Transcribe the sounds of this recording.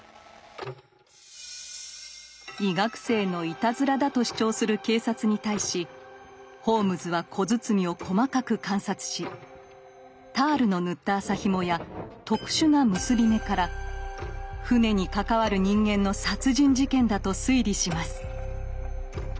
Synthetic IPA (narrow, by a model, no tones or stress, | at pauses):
iɡakɯ̥se̞ːno̞it̪azɨɾad̪at̪o̞ɕi̥t͡ɕo̞ːsɨɾɯ̟ke̞ːsat͡sɨɲ̟it̪aiɕi | ho̞ːmɯ̟zɨβakʰo̞zɨt͡sɨmʲio̞kʰo̞makakɯ̟kãɰ̃sat͡sɨ̥ɕi | t̪aːɾɯ̟no̞nɯ̟t̪ːaːsaçimojat̪o̞kɯ̟̥ɕɨnamɯ̟sɨbʲime̞kaɾa | ɸɯ̟ne̞ɲ̟ikakaβaɾɯ̟ɲ̟ĩŋɡẽ̞nːo̞sat͡sɨʑĩɲ̟d͡ʑikẽ̞nd̪at̪o̞sɨiɾʲiɕimasɨ̥